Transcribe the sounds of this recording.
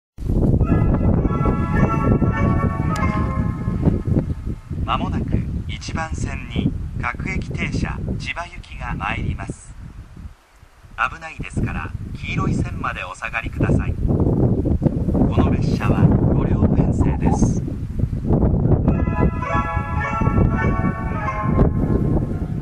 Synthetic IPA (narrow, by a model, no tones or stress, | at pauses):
mamo̞nakɯit͡ɕibãɰ̃sẽ̞ɲːiɡakɯ̟e̞kʲi̥t̪e̞ːɕa̰t͡ɕibajɯ̟kʲiɡamaeɾʲimasɨ̥ | abɯ̟naid̪e̞sɨ̥kaɾa̰kʲiːɾo̞isẽ̞mːad̪e̞o̞saɡaɾʲikɯd̪asaḭ | ko̞no̞ɾe̞ɕːaβa̰ɡo̞ɾʲo̞ːpẽɰ̃se̞̰ːd̪e̞sɨ̥